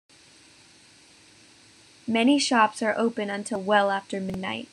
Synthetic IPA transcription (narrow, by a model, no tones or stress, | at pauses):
mɛniʃɑpsə˞ʔoʊpɨ̃nɨ̃ntʰɪlˠwɛlˠæftə˞mɪdⁿna̰ɪt̚